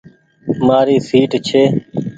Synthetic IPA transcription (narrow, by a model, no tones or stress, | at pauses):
maːɾiːsiːʈt͡ʃʰeː